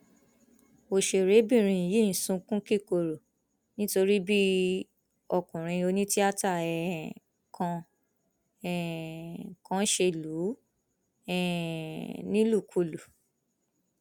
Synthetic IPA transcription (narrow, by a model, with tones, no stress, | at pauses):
o˨ʃe˧˨ɾe˨˦bĩ˦˨ɾ̃ĩ˧˨ji˦ĩ˨sũ˨˧kũ˦ki˦˨ko˧˨ɾo˨ | nĩ˦to˧ɾi˦bi˦ | ɔ˧˨kũ˨ɾ̃ĩ˧o˧nĩ˦ti˦a˦ta˦˨ɛ˨ | kʰã˧ | ɛ˨ | kã˧˦ʃe˧lu˨˦ | ɛ˦˨ | nĩ˦lu˦˨kʰo˧lu˨